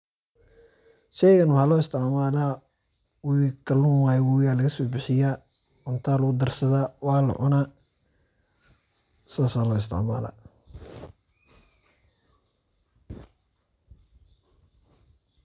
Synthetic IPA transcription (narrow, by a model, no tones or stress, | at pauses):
ʃɛjɣɐnwħɑlɔːɪst̪ʰɪʕmaːla | wɪkʰɐlʊnwaːjwɪwjaːlɐɣɐsɔːbɪħɪjaː | ʊnt̪ʰaːlʊɣʊd̪ɐrsɐðaːwɑːlɐ̰ʕʊna | saːsalɔːɪst̪ʰɪ̰ʕma̰ːla̰